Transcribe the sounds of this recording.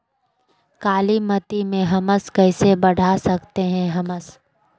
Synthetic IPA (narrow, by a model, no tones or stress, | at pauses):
kaːlimɐt̪imẽɦɐməskɐɪsebɐɽ̤ʱasɐkt̪eɦɛ̃ɦɐməs